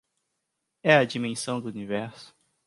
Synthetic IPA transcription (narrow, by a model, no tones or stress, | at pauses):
ɛɐd͡ʒimẽsɐ̃w̃d̪ʊunivɛɾsʊ̥